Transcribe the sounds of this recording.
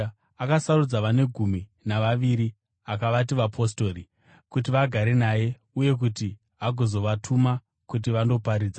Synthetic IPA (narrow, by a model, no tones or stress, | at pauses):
akasarud͡zaʋane̞ɡʱuminaʋaʋiɾi | akaʋat̬iʋapʰo̞sto̞ɾi | kut̬iʋaɡʱaɾe̞naje̞ | uje̞k̬uti | ɦaɡʱo̞zo̞ʋatʰuma | kut̬iʋando̞paɾiːd͡za